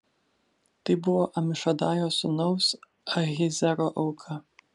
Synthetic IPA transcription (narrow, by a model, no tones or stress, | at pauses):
t̪ɐɪbʊʋoːʔɐmʲɪʃɐd̪ɑːjoːsʊnɔʊs | ɐɣʲɪzʲɛɾoʔɐʊkʰɐ